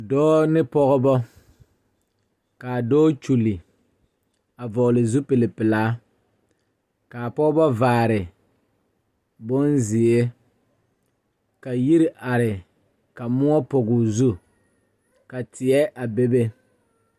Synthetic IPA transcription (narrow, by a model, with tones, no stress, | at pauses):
dɔː˦nɪ˦pɔ˦ɣɔ˦bɔ˦ | ka˨dɔː˦t͡ʃu˨li˨ | a˨vɔ˨ʔlɪ˨zu˦pe˨lɪ˨pɪ˨laː˦ | kaː˨pɔ˦ɡbɔ˦vaː˨ɾɪ˨ | bo˦nzɪ˨e˦ | ka˨ji˦ɾi˦ʔa˨ɾɪ˨ | ka˨mʊ˦ɔ˦pɔ˨ɡʊ˨zu˦ | ka˨tɪ˨ɛ˦ʔa˨be˦be˦